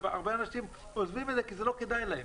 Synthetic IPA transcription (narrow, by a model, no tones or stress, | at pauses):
ea̰ʁbeanaʃim | ozvimed̪zekizelo̞ked̪ajlahe